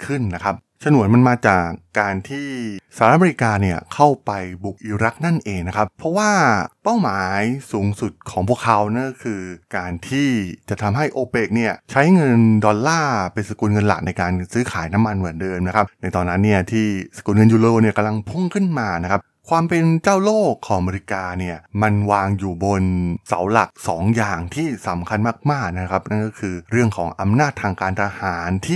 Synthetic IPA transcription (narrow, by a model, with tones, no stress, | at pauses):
kʰɯ˥˩nːa˦˥kʰa˦˥p̚ | t͡ɕʰa˧nu˩˦ənma˧nmaː˧t͡ɕaː˨˩kːaː˧nt̪ʰiː˥˩saː˧˨ɾt̪ʔa˧mː˧i˦˥kaː˧ni˥˩ɐkʰa˥˩wpa˧jbu˨˩k̚ʔi˨˩˦ɾa˦˥k̚na˥˩nʔeː˧ŋna˦˥kʰa˦˥p̚pʰːɾɔ˦˥waː˥˩pa˥˩wmaː˨˩˦jsuː˩˦ŋsu˨˩t̪̚kʰɔː˩˦ŋpʰu˥˩əkʰa˦˥wna˥˩kkʰɯː˧kaː˧nt̪ʰiː˥˩t͡ɕa˨˩t̪ʰa˧mɦa˥˩jʔoː˧peː˦˩k̚ni˥˩ɐt͡ɕʰa˦˥jŋɤ˧ndɔː˧nːaː˥˩pe˧nsa˧ku˧nŋɤ˧nla̰˨˩k̚na˧jkaː˧nsɯː˦˥kʰaː˩˦jna˦˥mːa˧nmɯ˩˦ndɤː˧mna˦˥kʰa˦˥p̚na˧jt̪ɔː˧nːa˦˥nːi˥˩ɐt̪ʰiː˥˩sḁ˧kuː˨˧˩nŋɤ˧njuː˨˧loː˧ni˥˩ɐka˧mla˧ŋpʰu˥˩ŋkʰɯ˥˩nmaː˧na˦˥kʰa˦˥p̚ | kʰwaː˧mpe˧nt͡ɕaː˥˩wloː˥˩kʰːɔː˩˦ʔa˧me˧ɾi˧˥kaː˧ni˥˩ɐma˧nwaː˧ŋjuː˨˩bo˧nsa˩˦wla˨˩k̚sɔː˩˦ŋjaː˨˩ŋt̪ʰiː˥˩sa˩˦mkʰa˧nmaː˥˩k̚maː˥˩k̚na˦˥kʰa˦˥p̚na˥˩nkɔ˥˩kʰɯː˧ɾɯ˥˩əŋkʰɔ̰ː˩˦ŋʔa˧mnaː˥˩t̪ʰːaː˧ŋkaː˧nt̪ʰa˧haː˩˦nt̪ʰiː˥˩